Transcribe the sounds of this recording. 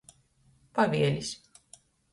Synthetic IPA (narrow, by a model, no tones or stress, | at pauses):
pavʲiɛlʲis